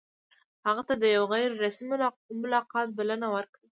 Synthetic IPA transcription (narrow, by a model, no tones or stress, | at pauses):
haɣat̪ad̪əjawɣajɾːasmi | mʊlɑqɑt̪̚balanawəɾki